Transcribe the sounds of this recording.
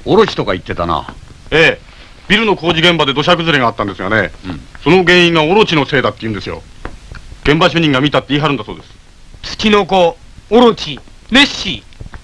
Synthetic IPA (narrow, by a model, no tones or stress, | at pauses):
oɾo̞t͡ɕi̥t̪o̞kait̪ːe̞t̪ana̰ | eː | b̥ʲiɾɯ̟no̞ko̞ːʑiɡẽ̞mbad̪e̞d̪o̞ɕ̬akɯ̟zɨɾeɡaːt̪ːãnd̪esɨɡane̞so̞noɡẽ̞ːĩŋɡaoɾo̞t͡ɕino̞se̞ːd̪at̪ːe̞iɯ̟̃nd̪esɨjo̞̰ | ɡ̥ẽ̞mbaɕ̬ɨːɲ̟ĩŋɡamʲit̪at̪ːiːɦaɾɯ̃nd̪aso̞ːd̪e̞sɨ̥ | t͡sɨ̥kʲino̞kooɾot͡ɕi | neɕi